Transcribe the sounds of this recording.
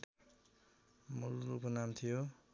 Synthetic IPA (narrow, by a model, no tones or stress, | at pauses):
mulrukonamt̪ʰijo